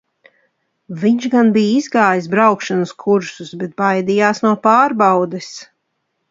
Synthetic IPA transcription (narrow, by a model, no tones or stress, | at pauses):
viɲʃɡanbiːizɡaːjis̬bɾawkʃanəskʰuɾsusbɛt̪̚bajd̪ijaːsnuɔpaːɾbawd̪ɛs